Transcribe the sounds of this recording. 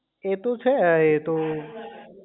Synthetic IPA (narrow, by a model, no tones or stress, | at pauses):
et̪ot͡ʃʰeet̪o